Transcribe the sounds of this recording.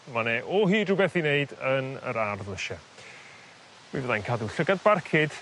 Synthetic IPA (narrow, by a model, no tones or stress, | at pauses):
manɛʔɔɦiːdrubɛθineɨdənə̰ɾarðlˠəʃa | mivɛðajnkʰaduɬəɡad̚barkʰɪd̥